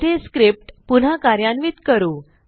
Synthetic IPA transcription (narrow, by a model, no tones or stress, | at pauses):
eskɾip̚ʈpun̤akaɾjanʋiːt̪kəɾuː